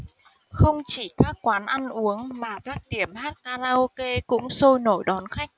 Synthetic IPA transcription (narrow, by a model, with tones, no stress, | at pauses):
xə˧wŋ͡mt͡ɕi˧˩kaː˦˥kːwaː˨˦nʔa˧nʔu˨˦əŋmaː˨˩kaː˦˥k̚ɗi˧˩əmɦaː˦˥t̚kaː˧laː˧ʔo˧ke˧kʊ̰˧˥ŋ͡mso˧jno˧˩jɗɔ˨˦nxa˦˥jk̟̚